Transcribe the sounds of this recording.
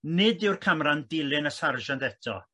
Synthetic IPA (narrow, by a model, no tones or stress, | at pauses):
nɪdɪwrkʰamrandɪlˠɪnəsarʒandɛtʰɔ̰